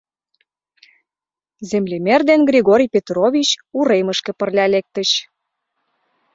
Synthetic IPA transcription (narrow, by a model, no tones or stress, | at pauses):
zemlʲemerd̪enɡrʲiɣoɾʲijpʲet̪rovʲit͡ɕuɾeməʃkə̆pə̆rlʲælek̚t̪əɕ